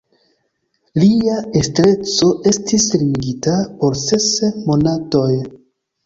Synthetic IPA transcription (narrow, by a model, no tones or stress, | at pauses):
liae̞stɾe̞t͡so̞ʔe̞stislimiɡitapo̞ɾse̞smo̞nato̞j